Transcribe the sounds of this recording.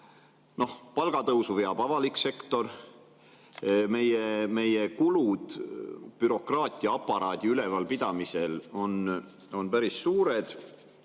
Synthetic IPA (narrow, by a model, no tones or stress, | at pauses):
no̞hpɑlɡ̥ɑt̪ɤwsuveɑb̥ɑvɑlikse̞kt̪o̞r | me̞jeme̞je̞kulud̪̥b̥yɾo̞krɑːt̪ʲːˑijɑɑpːˑɑɾɑːd̪̥ʲiyle̞vɑlpid̪̥ɑmise̞lo̞n | o̞npæɾisːuːɾed̪̥